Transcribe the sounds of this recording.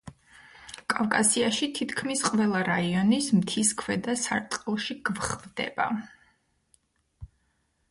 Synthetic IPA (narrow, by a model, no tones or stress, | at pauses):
kʼavkʼasiaʃit̪ʰit̪ʰkʰmisqʼvɛlˠaɾaiɔnismt̪ʰiskʰvɛd̪asaɾt̪ʼqʼɛlˠʃiɡ̥vχvd̪ɛ̰ba̰